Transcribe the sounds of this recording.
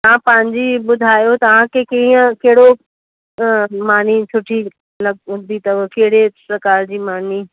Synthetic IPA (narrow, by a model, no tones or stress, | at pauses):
t̪ɐãpɐ̃ɦɪ̃ɲd͡ʑibʊd̪ʱaːjot̪ɐʋ̤ãkekĩə̃keɦɪɽo | maːnit͡ɕʰʊʈʰi | lɐɡ̚ʊ̃nd̪it̪ɐʋkeɦɪɽepɾɐkaːɾd͡ʑiːmaːn̤i